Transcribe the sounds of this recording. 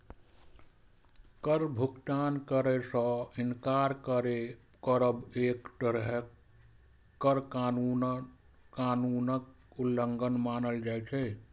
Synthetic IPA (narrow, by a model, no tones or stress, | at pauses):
kəɾbʱuɡt̪ankəɾəsə̃inkaɾkəɾe | kəɾəbekʈəɾɦe | kːəɾkanun | anunək | ulːəŋɡənmanəld͡ʒajt͡ʃʰɛ